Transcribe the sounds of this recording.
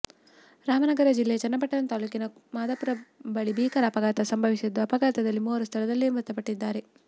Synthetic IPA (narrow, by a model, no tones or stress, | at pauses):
ɾaːmɐnɐɡɐɾɐd͡ʒilːejɐt͡ʃɐnːɐpɐʈːɐnɐnt̪aːlukinɐmaːd̪ɐpuɾɐbɐɭibiːkɐɾɐːpɐɡaːt̪ɐsɐmbʱɐʋisid̪ːuɐpɐɡaːt̪ɐd̪ɐlːimuːɐɾust̪ʰɐɭɐd̪ɐlːimɐɾt̪ːɐpɐʈːid̪ːaːɾe